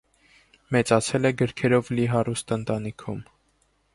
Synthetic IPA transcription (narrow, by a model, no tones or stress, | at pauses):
mɛt͡sɑt͡sʰɛlɛɡəɾkʰɛɾɔvliɦɑrust̪ənt̪ɑnikʰum